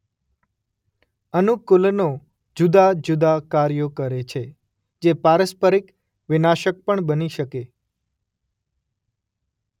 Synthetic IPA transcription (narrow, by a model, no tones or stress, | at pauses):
ənukulno | d͡ʒud̪ad͡ʒud̪akaɾjokəɾet͡ʃʰe | d͡ʒepaɾəspəɾik | ʋɪnaʃək̚pəɳbəniʃəke